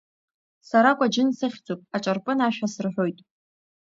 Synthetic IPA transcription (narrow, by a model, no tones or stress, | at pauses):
saɾakʷʼad͡ʒɪnsɨχʲd͡zopʼaʈ͡ʂʼarpʼɨnaʃᶣasɨrħʷᶣo̞jtʼ